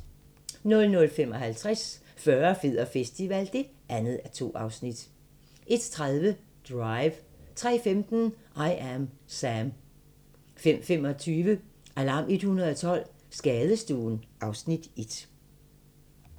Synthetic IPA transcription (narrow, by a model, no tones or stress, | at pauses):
nɔ̽lnɔ̽lfem̰ɒ̽ɦælt͡sʰʁas | fɶɐfeð̰ˠɐfesd̥iʋæl̰d̥e̝ | ʔænð̩ˠæɐt͡sʰo̝̰ːʔɑ̈ʊsnid̥ | ʔe̝d̥t͡sʰʁaðˠʋə | d̥ʁɑ̈ɪʋt͡sʰʁɛ̰ːfemd̥n̩ʔɑ̈ɪʔæmsæm | fem̰fem̰ɒ̽t͡sʰyːʋəʔælɑ̈ːmʔe̝d̥hunɐð̞ˠɒt͡sʰɒ̽l̰ | sɡ̥ɛːðˠəsd̥uːnʔɑ̈ʊsnid̥e̝d̥